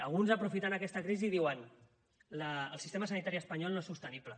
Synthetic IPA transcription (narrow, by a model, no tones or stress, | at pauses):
əlˠɣunzəpɾufit̪anəkɛst̪əkɾiziðiwən | ləːlˠsist̪eməs̬ənit̪aɾiəspəɲɔlˠnoesust̪əniplə